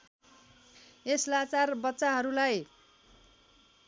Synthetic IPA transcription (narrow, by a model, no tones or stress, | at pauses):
eslat͡sarbʌtːsaɦʌɾulaj